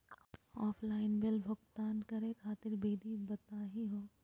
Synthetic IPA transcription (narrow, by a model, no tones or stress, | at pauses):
ɔːpʰlaːɪnbɪlbʱʊɡt̪aːnkɐɾẽkʰaːt̪ɪɾbiːd̪ibɐt̪aːɦiɦoː